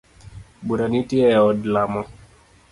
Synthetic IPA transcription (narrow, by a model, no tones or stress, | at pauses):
buɾanitiɛɔdlamɔ